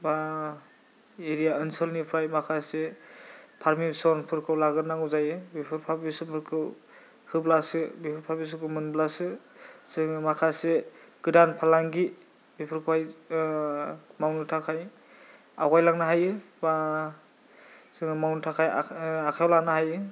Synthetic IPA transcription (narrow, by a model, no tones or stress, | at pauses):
ba | eɾijaɯnsɔlnipʰɾajmakʰase | pʰaɾmisɔnpʰɯɾkʰɯwlaɡɯɾnaŋuzajɯbipʰɯɾpʰabisɯmʰɯɾkʰɯw | hɯblasɯbipʰɯɾpʰabis̬ɯkʰɯmɯnblasɯ | sɯŋmakʰaseɡ̥ɯdanpʰalaŋɡi | bipʰɯɾkʰɔwaj | mawnɯtʰakʰaj | aɡajlaŋnaɦajɯ | ba | sɯŋɯmawntʰakʰajakʰawlanaɦajɯ